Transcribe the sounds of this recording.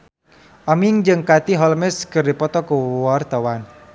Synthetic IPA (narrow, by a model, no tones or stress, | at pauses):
ʔamiŋd͡ʒɨŋkat̪iɦɔlmɛskərdipɔt̪ɔkəwart̪awan